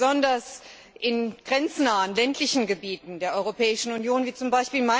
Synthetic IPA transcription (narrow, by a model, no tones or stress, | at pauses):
zɔndɐs | ʔɪnɡ̥ʁɛnt͡snaːənlɛntʰlɪçn̩ɡəbiːtn̩deːɐʔɔʏʁopɛːɪʃn̩unjoːnviːt͡sʊmbaɪʃpiːlma